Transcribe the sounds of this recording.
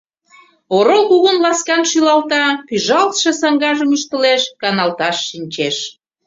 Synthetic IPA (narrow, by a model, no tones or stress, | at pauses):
oɾolkuɣənlɑskɑnʃylɑlt̪ɑpyʒɑlt̪ʃesɑŋɡɑʒəmyʃt̪əleʃkɑnɑlt̪ɑʃːinʲt͡ɕeʃ